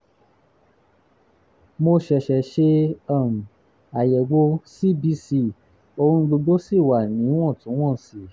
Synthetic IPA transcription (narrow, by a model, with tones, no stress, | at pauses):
mo˧ʃɛ˨ʃɛ˨ʃe˧ã˦˨m˨ | a˨jɛ˨ɡ͡bo˧si˦˨bi˧˦si˧ | o˧ɾũ˧˦ɡ͡bo˧ɡ͡bo˦si˦˨wa˨nĩ˨˦w̃ɔ̃˦˨tũ˨˦w̃ɔ̃˦˨si˨